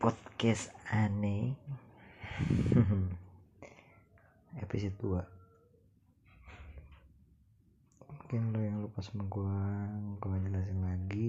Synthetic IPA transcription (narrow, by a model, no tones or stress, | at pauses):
pɔt̪̚kɛsane | ɦ | epis̬et̪ua | muŋkɪnlojaŋlupasməŋɡuaŋkawanilas̬iŋlaɡi